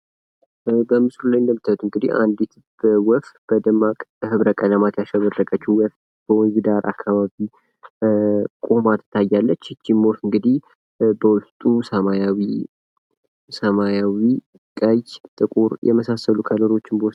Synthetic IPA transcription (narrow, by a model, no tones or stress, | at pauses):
bəmɨslulajnd̪əmːɨt̪ʰːət̪ʰuɨŋɡɨd̪iha̰nd̪it̪ | b̥əwɔft̪b̥əd̪ɨmːakʼhɨβɾəkʼələmat̪jaʃəβərːəkʼət͡ʃːuwɔf | b̥əwɔɡd̪aɾʔa̰kʰːaβaβi | kʼomat̪ʰɨ̥t̪ʰːajːalːət͡ʃːɨt͡ʃːimːofɨŋɡɨd̪ih | bəwʊst̪ʼusəmajawi | səmajawi | kʼəjt̪ʼɨkʼuɾjʔɛ̰məsasəlukʰələɾo̞t͡ʃːɪnbəws